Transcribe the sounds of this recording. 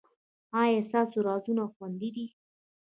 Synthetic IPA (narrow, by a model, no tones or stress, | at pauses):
ɑjesɑsoɾɑzunaxwand̪id̪i